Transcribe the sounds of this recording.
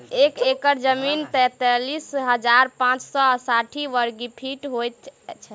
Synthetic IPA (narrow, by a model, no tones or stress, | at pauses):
ekekəɾd͡ʒəmint̪ɛt̪ɛlisɦəd͡ʒaɾpãt͡ʃsɔəsaʈʰiʋəɾɡipʰiʈɦojt̪t͡ʃʰɛ